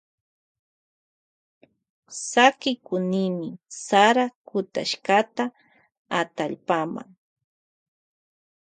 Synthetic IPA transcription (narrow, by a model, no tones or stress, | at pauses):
sakɪkʊnɪmɪsaɾakʊt̪a̰ʃkat̪a | at̪aʎpama̰ŋ